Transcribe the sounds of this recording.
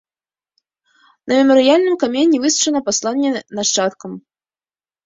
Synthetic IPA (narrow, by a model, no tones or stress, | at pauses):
nɐmʲɛmɔɾɨjalʲnɨmkamʲenʲːivɨsu̥t͡ʂɐnɐpaslˠanʲːɛnaʂt͡ʂat̪kɐm